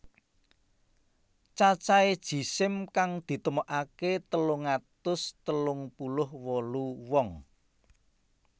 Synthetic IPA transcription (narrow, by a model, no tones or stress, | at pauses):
t͡ʃat͡ʃaed̥ʒ̥i̤sɪmkaŋd̪̥i̤t̪əmɔʔaket̪əlʊŋat̪ʊst̪əlʊŋpulʊhwɔluwɔŋ